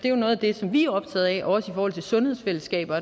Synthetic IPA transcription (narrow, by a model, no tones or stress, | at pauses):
d̥e̝jo̝nɔ̽ːð̩ˠæd̥e̝sɒ̽mʋiæɒ̽b̥̚t͡sʰɛ̰ːð̞̩ˠɛʔɒsifɒːhɒ̽l̰t͡sʰe̝lsɔ̽nhe̝ð̰ˠsfel̰əsɡ̥ɛ̰ːb̥ɐ